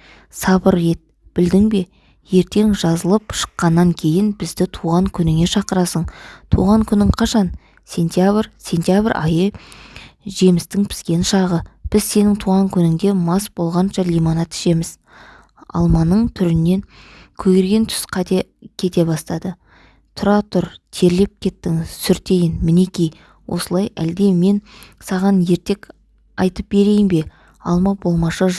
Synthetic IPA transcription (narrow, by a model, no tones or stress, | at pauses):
sɑbəɾe̞t̪̚ | b̥ɪld̪ɪŋbe̞ | je̞ɾt̪e̞ŋʒɑzəlˠəpʃə̥qːɑnːɑŋkʲʰe̞jɪnbɪzd̪ɪt̪ʰuʁɑŋkʲʰʏnɪŋe̞ʃɑqəɾɑsəɴt̪ʰṵʁɑŋkʲʰʏnɪɴqʰɑʃɑn | sʲe̞nt̪jabɾsʲe̞nt̪ʲjabɾʔɑjə | ʒe̞mɪst̪ɪŋpʰɪ̥skʲe̞nʃɑʁəb̥ɪzse̞nɪŋt̪ʰuʁɑŋkʲʰʏnɪŋd̪e̞mɑsbo̞lˠʁɑnʃɑlijmonɑt̪ɪ̥ʃe̞mɪz̥ | ɑ̰lˠmɑnəɴt̪ʰʏɾɪnːe̞ŋkʲʰɵɡeɾɡʲe̞nt̪ʰʏ̥sqʰɑt̪ekʲʰe̞t̪e̞bɑst̪ɑd̪ə | t̪ʰʊɾɑt̪ʰʊɾt̪ʰe̞ɾle̞p̚kʲʰe̞t̪ːɪŋɪzsʏɾt̪e̞jɪnmɪne̞kʲij | wʔo̞̰səlˠɑjæld̪e̞me̞nsɑʁɑnje̞ɾt̪e̞k | ɑjt̪əp̚be̞ɾe̞jɪmbe̞ | ɑlˠmɑbo̞lˠmɑʃɑʒ